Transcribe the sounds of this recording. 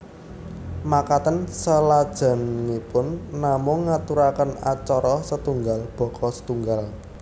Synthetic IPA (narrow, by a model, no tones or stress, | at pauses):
makat̪ənsəlad̥ʒ̥a̤nŋipʊnːamʊŋːat̪uɾakəna̰t͡ʃɔɾɔsət̪uŋɡalb̥ɔ̤kɔsə̥t̪uŋɡal